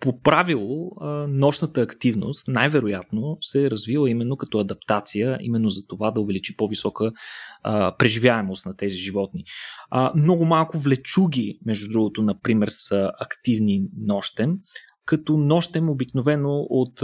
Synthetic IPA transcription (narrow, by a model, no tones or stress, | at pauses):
popɾavilˠonɔʃnət̪əːkt̪ivno̰st̪najvɛɾojat̪nosɛɾɐzvilˠəimɛnːokɐt̪ɔɐd̪ɐp̚t̪at̪sijəḭmɛnːozɐt̪ovad̪ɐʊvɛlit͡ʃipɔvisɔkə | pɾɛʒivjaɛmost̪nɐt̪ɛziʒivɔt̪ni | mnɔɡʊmalˠkʊvlɛt͡ʃuɡʲimɛʒd̪ud̪ɾuɡot̪onɐpɾimɛɾsəɐkt̪ivninɔʃt̪ɛm | kɐt̪ɔnɔʃt̪ɛmobiknovɛnoʔot̪